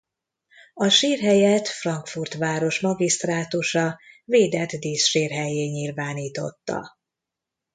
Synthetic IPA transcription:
ɒʃiːrɦɛjɛt̪frɒŋkfurt̪ʋaːɾo̞ʃmɒɡist̪raːt̪uʃɒveːd̪ɛt̪d̪iːsʃiːrɦɛjeːɲiːlvaːniːt̪o̞̰t̪ːɒ̰

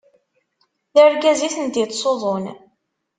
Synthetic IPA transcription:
ðəɾɡæziθənd̪jət̪ːsoðˤon

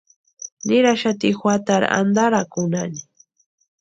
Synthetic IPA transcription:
nɪɾaʃat̪ixwat̪aɾa̰nd̪aɾakʊnani

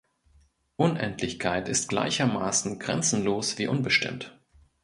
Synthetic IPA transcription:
ʔʊnʔɛ̰ntʰlɪçkʰaɪtɪst̚ɡ̥la̰ɪçɐmaːsn̩ɡʁɛ̰nt͡sn̩loːsv̥iːʔʊnbəʃtɪ̰mt

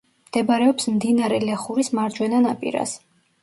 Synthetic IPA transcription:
md̪̥ɛbaɾɛɔpsmd̪inaɾɛlɛχuɾismaɾd͡ʒwɛnanapʼḭɾa̰s

